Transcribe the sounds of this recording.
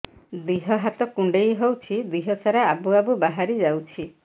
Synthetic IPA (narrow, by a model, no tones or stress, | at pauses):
d̪iɦɔɦat̪ɔkuɳɖejɦowt͡ʃʰid̪iɦɔsaɾaabuabubaɦaɾid͡ʒawt͡ʃʰi